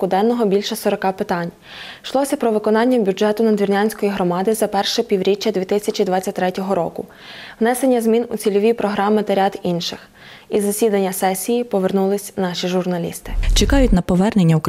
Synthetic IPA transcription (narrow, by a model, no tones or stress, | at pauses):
kʊd̪ɛnːɔɦɔbʲilʲʃɛsɔɾɔkɑpɪt̪ɑnʲ | ʃlˠɔsʲɐpɾɔʋɪkɔnɑnʲːɐbʲuʒɛt̪ʊnɐd̪ʲʋʲirnʲanʲsʲkɔjiɦɾɔmɑd̪ɪzɐpɛrʃɛpʲiwɾʲit͡ʃʲːɐd̪ʲʋʲit̪ɪsʲɐt͡ʃid̪ʋɑtt͡sʲːɐt̚ʲt̪ɾɛtʲɔɦɔɾɔ̰kʊ̰ | wnɛsenʲːɐzmʲinʊt͡sʲilʲɔʋʲipɾɔɦɾɑmɪt̪ɐɾʲad̪inʃɪx | izɐsʲid̪ɐnʲːɐsɛsʲːijipɔʋernulˠɪsʲnɑʃʲiʒʊrnɐlʲḭst̪ɪ̥t͡ʃekɑjʊtʲnɐpɔʋɛrne̞nʲːɐuk